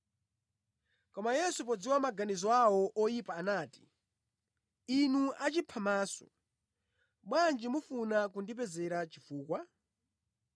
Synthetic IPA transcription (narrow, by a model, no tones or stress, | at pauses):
kɔmajɛsup̬ɔd͡ziwamaɡanizɔawɔʔɔjipaːnaːti̥ | inuat͡ʃipʰamaːsɔ̥̰ | ɓwand͡ʒimufunakundip̬ɛzɛɾat͡ʃifuːkwa